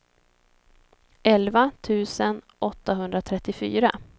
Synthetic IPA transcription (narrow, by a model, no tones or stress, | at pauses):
ɛlvat̪ʰʉ̟ːsən | ʔɔt̪ːaɦɵnd̪ɾat̪ʰɾɛt̪ːɪfy̰ːɾa